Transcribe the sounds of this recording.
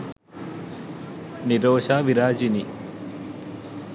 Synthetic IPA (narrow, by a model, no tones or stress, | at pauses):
niɾoːʃaːʋiɾaːd͡ʒini